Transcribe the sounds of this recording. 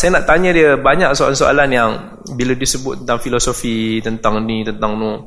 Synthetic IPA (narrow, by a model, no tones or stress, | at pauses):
sajanaʔt̪aɲə̃diəbaɲaʔsoaansoʔa̰lanjaŋ | biladisəbʊt̪̚ːənt̪aŋfilosofit̪ənt̪aŋnit̪ənt̪aŋno